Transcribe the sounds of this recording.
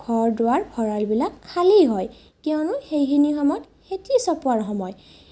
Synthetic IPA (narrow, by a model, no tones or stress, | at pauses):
ɡʱɔɹdʊwaɹbʱɔɹalbilakʰːalejɦɔj | kɛwnʊxejxinixɔmɔt | xetisɔpʊaɹxɔmɔj